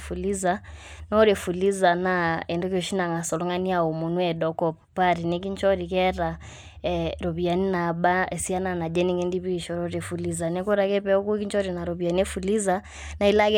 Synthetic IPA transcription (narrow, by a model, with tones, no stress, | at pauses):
fu˨li˦za˨nɔ˦ɾɛ˨fu˨li˦za˨na˦ɛ˨ndɔ˦kɔ˨ʃi˦na˨ŋa˨sɔ˨lɔ˦ŋɡa˦ni˦a˨ɔ˨mu˨nu˦ɛ˨ɗɔ˨kɔ˨ppa˦ɾi˨nɛ˦k̬i˦ɲt͡ʃɔ˦ɾi˨kɛɾa˨ | ɛɾɔ˨βi˨a˨ni˦na˨ɓa˦ɛ˨si˦a˦na˨na˨d͡ʒɛ˦ni˦ŋɛ˦ndi˦βi˦ʃɔ˨ɾɔ˦ɾɛ˨fu˨li˦za˨nɛ˦kɔ˦ɾa˨kɛ˦pɛɔ˦ku˦ki˦ɲt͡ʃɔ˦ɾi˨na˨ɾɔ˨βi˨a˨ni˦ɛ˦fu˨li˦za | na˨i˦la˦kɛ